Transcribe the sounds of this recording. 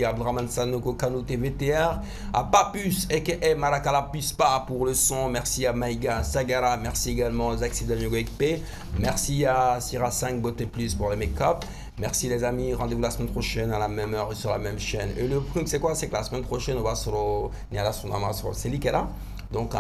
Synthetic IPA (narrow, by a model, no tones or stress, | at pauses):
abd̪ʁamansanokokanot̪evet̪eɛʁ | a̰papysɛkəʔɛmaɾakalapyspapuʁləsɔ̃mɛʁsiamajɡasaɡaɾamɛʁsieɡalmɑ̃ozaksid̪anjoɡoɛk̚pe | mɛʁsiasiʁasɛ̃k̚bot̪eplyspuʁlemɛkap | mɛʁsilezamiʁɑ̃d̪evulasəmɛnpχɔʃɛnalamɛmœʁesyʁla̰mɛmʃɛnḛləpχymsɛkwasɛkəlasəmɛnpχɔʃɛnɔ̃vasɾɔ̃ | nialasɔ̃d̪amãsʁɔ̰̃selikɛla | d̪ɔ̃ka̰